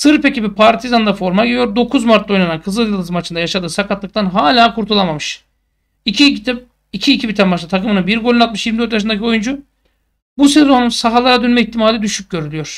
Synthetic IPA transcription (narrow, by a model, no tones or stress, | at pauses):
sɯɾpe̞cibipʰaɾt̪ʰizand̪afo̞ɾmaɟid̪jo̞ɾd̪o̞kʰuzmaɾt̪lˠo̞jnanankʰɯzɯjɯlˠɯzɯmat͡ʃʰɯnd̪ajaʃad̪ɯːsakʰat̪lˠɯk̚t̪ʰanɦaːlʲaːkʰuɾt̪ʰulˠamamɯʃ | icit̪ʰ | icʰiːcʰibit̪ʰænbaʃlˠɯt̪ʰakɯmɯnɯnbiɾɡo̞lʲinat̪̚mɯʃjiɾmid̪øɾt̪jaʃɯnd̪acʰio̞jund͡ʒu | buseznunsaɦalˠaɾad̪ønmɛit̪ʰːimalʲɛd̪yʃyc̚ɟø̞ɾylʲyjo̞ɾ̥